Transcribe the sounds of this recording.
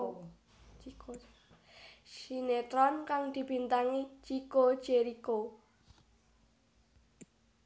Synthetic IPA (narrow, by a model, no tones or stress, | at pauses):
ʃinet̪ɾɔnkaŋd̪̥i̤b̥int̪aŋit͡ʃiko̥d͡ʒ̥eɾiko